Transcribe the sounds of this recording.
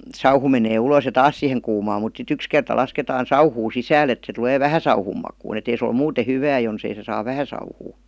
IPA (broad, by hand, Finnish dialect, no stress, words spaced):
sɑuhu meneː ulos jɑ tɑːs siheŋ kuːmɑːm mut sit yks kertɑ lɑsketɑːn̞ sɑuhuː sisæːl et se tŭleː ʋæhæ sɑuhum mɑkuːn et ei se ol muːte hyʋæː jonsei se sɑːʋ ʋæhæ sɑuhuː